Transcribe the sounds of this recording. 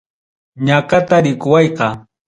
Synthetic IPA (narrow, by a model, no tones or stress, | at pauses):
ɲakat̪aɾɪkʊwɑjqɑ